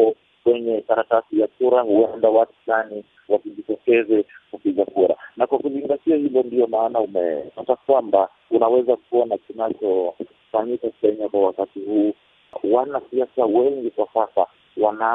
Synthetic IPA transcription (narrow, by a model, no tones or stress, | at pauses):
ɔ | kwɛɲɛkaɾatasijakuɾahuɛndawatu̥lani | wasiʄitɔkɛzɛkupiɠakuɾa̰nakwakuziŋɡatiahivɔndiɔmaːnaumɛ̰atakwamba | unawɛzakuɔnakinat͡ʃɔ | faɲikakɛɲakwawakatihuː | wanasiasawɛŋɡikwasasa | wana